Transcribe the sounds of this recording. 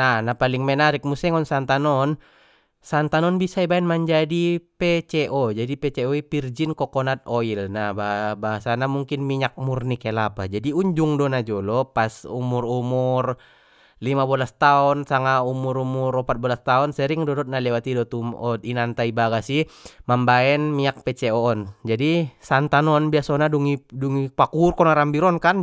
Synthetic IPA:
nanapaliŋmɛnaɾik̚musɛŋɔnsant̪anɔn | sant̪anɔnbisaibaɛnmaɲd͡ʒadipɛt͡ʃɛʔɔd͡ʒadipɛt͡ʃɛɔipird͡ʒinkɔkɔnat̪̚ɔilnababaɦasanamuŋkinmiɲak̚murnikɛlapad͡ʒadiuɲd͡ʒuŋdɔnad͡ʒɔlɔpasṵmurumur | limabɔlast̪aɔnsaŋaumuɾumurɔpat̪̚bɔlast̪aɔnsɛɾiŋdɔdɔt̪̚nalɛwat̪idɔt̪umɔt̪inant̪aibaɡasihmambaɛnmiɲak̚pɛt͡ʃɛɔːnd͡ʒadisant̪anɔnbiasɔnaduŋiduŋipakurkɔnaɾambiɾɔnkan

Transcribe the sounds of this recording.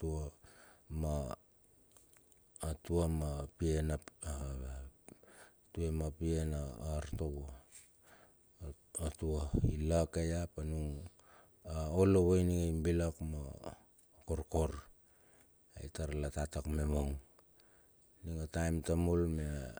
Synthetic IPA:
tua | ma | tuamapienaa | tuemapienaːɾtoβo | atuailakajapanuŋ | aoloβojniŋaimbilakma | ko̞ɾko̞ɾ | ajtaɾlatatakme̞moŋ | niŋatajmtamolmea

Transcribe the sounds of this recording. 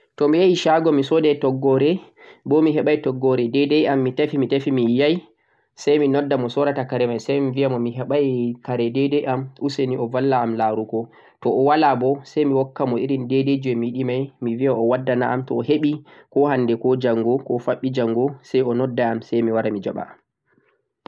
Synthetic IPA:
tɔmijajiʃaɡɔmisɔdɛtɔɡːɔɾɛ | bɔmiɦɛɓajtɔɡːɔɾɛdɛdɛjamːitafimitafimijaj | sajminɔdːamɔsɔɾatakaɾɛmajsajmiviamɔmiɦɛɓajkaɾɛdɛdɛjʔamuseniʔɔvalːaːmlaɾukɔ | tɔʔɔwalabɔsajmiwɔkːamɔiɾindɛded͡ʒɛmiɗimajmiviaɔwadːanaʔamtɔːheɓikɔɦandɛkɔd͡ʒaŋɡɔkɔfaɓːid͡ʒaŋɡɔsajɔnɔdːaamsajmiwaɾamid͡ʒa̰ɓa̰am

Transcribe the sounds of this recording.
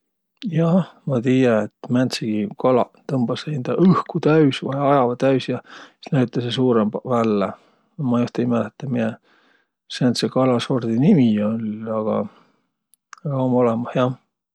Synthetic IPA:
jɑmɑt̪iːjɑet̪ːˑmænt̪seɡ̥ikɑlɑ̰t̪ɤmb̥ɑsend̪̥ɑʔɯhkut̪æysvɑjɑjɑvɑt̪æysjɑi̥næɥt̪ːˑɑsesuːɾembvælːe | mɑjuht̪ɑimælt̪ːˑɑmie | sænt̪sekɑlɑsord̪̥inimiolʲɑɡ̥ɑ̰ | ɑɡ̥ɑomolemɑhjɑ

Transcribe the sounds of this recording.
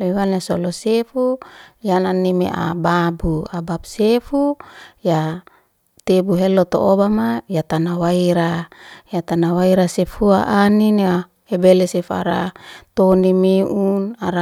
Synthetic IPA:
lewanasolosefujananːimḛʔa̰babuabab̚sefuja | t̪ebuɦelot̪o̰ʔobamajat̪anawaiɾajat̪anawaiɾasefuaʔanina | hebelesefua̰ɾa̰t̪onimiʔunaɾa

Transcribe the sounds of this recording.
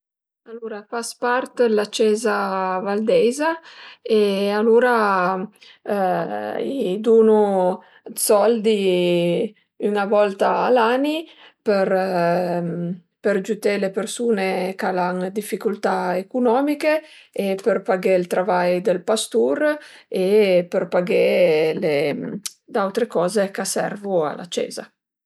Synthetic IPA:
alːoːɾafaspart̪lat͡ʃːɛːzavald̪ɛjzaealuːɾa | id̪uːnu | sɔld̪i | ynavɔlt̪aːlaniper | perd͡ʒut̪elepersuːnekalaŋd̪ifːikult̪aekunɔːmike | eperpaɡelt̪ɾavajd̪elpast̪uɾeperpaɡele | d̪awt̪ɾekɔːzekasɛ̰rvua̰lʔa̰t͡ʃḛːza̰

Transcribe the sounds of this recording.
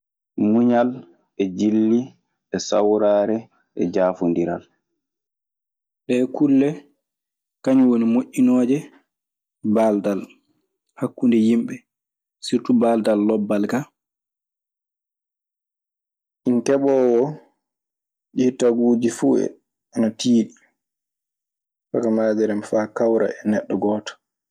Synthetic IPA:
muɲal | ɛd͡ʒilːi | ɛsa̰wɾaːɾɛ | ʔɛd͡ʒaːfundiɾa̰l | ɗɛkulːɛ | kaɲwonimoʔːinɔːd͡ʒɛ | baldal | hakːundɛjimɓɛ | siɾtubaldalːɔbːalka | ʔinkɛɓɔːwɔ | ɗitaɡuːd͡ʒifuːɛ̰ | anatiːɗi | fakamaːd͡ʒɛɾɛmfaːkawɾa̰ɛnɛɗːɔɡɔːtɔ̥

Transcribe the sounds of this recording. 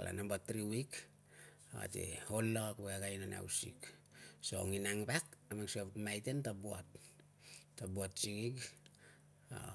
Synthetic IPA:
ala̰nambatɾiwik | aa̰tḛholːakweaɡajnana̰wsiksooŋinaŋbakamaŋsatmajtentabuatː | abuatsiŋik | a̰

